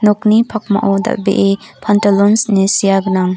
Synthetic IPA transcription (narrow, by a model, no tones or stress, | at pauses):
nok̚nipʰak̚ma̰ʔɔwd̪a̰ʔbḛʔepʰantalɔnsnesijaɡənaŋ